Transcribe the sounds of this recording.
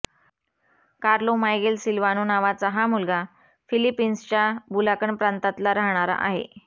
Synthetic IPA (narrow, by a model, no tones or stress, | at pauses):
kaɾlomajɡelsilʋanuːnaʋat͡saɦamulɡa | filipinst͡ɕabulakəɳpɾant̪at̪laɾaɦɳ̃aɾa̰ʔa̰ɦḛ